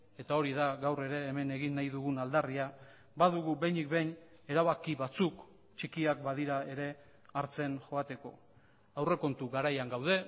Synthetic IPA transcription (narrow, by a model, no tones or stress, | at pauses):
e̞t̪ao̞ɾið̞aɣawre̞ɾe̞ːme̞ne̞ɣinːajðuɣunald̪aria | baðuɣube̞jnikbe̞jn | e̞ɾaβakiβat͡suk | t͡ʃikiakbaðiɾae̞ɾe̞ | aɾt͡se̞nʝo̞at̪e̞ko̞ | awre̞ko̞nt̪uɣaɾajaŋɡawð̞e̞